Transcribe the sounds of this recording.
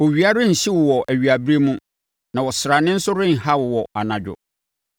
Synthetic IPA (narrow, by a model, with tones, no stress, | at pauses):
wɔ˨ɥi˨a˦ɾɪ˦n̩˨ɕi˦wʊ˨wɔ˨ʔæ˨ɥi˨a˨bi˦ɾe˦mũ˦ | nã˨wɔ˨sɾa˨nɪ̃˦n̩˦sʊ˦ɾɪ̃˦ŋ̩˨ha˦wʊ˨wɔ˨a˨nã˨d͡ʑᶣʊ̰˨